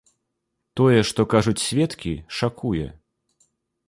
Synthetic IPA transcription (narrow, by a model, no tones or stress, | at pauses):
t̪ɔjɛʂt̪ɔkaʐut͡sʲsʲvʲɛt̪kʲiʂakʰujɛ̰